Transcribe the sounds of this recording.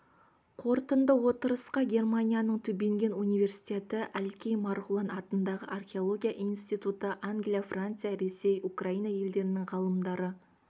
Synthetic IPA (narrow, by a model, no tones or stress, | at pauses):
qʰo̞ɾt̪ənd̪əwo̞t̪əɾəsqɑɡʲe̞rmanʲijanəɴt̪ʰʏbeŋɡʲe̞nunijve̞rsi̥t̪ʲe̞t̪ɪʔælkʲejmɑɾʁulˠɑnɑt̪ənd̪ɑʁəʔarχʲeo̞lˠo̞ɡʲijaʔinst̪ijt̪ut̪əʔaŋɡʲlʲijafrant̪sɨjaɾe̞se̞jukraijnɑje̞ld̪e̞ɾɪnɪŋʁɑlˠəmd̪ɑɾə